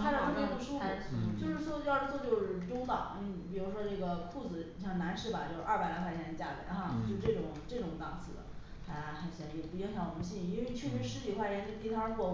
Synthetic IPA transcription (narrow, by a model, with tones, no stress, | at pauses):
xʰa˥ʂme˧˥ʈ͡ʂoʊ˨˩ʂu˥fə˨˩t͡ɕo˥˧ʊʂɻ̩˥˩ʂwɔ˥˧jt͡sʰɔ˥˧t͡ɕjo˥˧ʊʂɻ̩˥˩ʈ͡ʂʊ˥ŋt̪ɑ̰˨˩˦ŋ̩˥˧˩pi˨˩ɻu˧˥ʂwɔ˥ʈ͡ʂɤ˥˩ɡə˩kʰu˥˩d͡zɹ̩˨˩˧ɕjɑ˥˩na˧˥nʂɻ̩˥˩ba˨˩t͡ɕjo˥˧ʊʂ̩˧ʔɐ˥˩pa˨˩ɪla˥xʰa˥˩t͡ɕʰɛ˧˥nə˧t͡ɕja˥˩lə̰˧˥nxa˥˧t͡ɕjo˥˧ʂʈ͡ʂɤ˥˩ʈ͡ʂʊ˨˩˦ŋʈ͡ʂɤ˥˩ʈ͡ʂʊ˧˥ŋt̪ɑ˨˩˦ŋsʰɹ̩˨˧˩d̪̰ | a˧˩˧xə˧˩ɕɛ˧˥jɛ˨˩pu˧˥i˥ŋɕjɑ˧˥ŋwɔ˨˩mə˧˦ɕi˥˩˧i˥nwe˥˧ɪt͡ɕʰy˥˩ny˧˥ʂɻ̩˥t͡ɕi˨˩kwa˥˩jɛ˧˥nt̪t̪i˥t̪ʰɑ˥˧kwɔ˥˧˩